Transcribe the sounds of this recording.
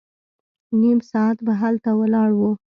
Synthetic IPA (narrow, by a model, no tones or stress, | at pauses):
nimsɑat̪baɦalt̪awəlɑɽwu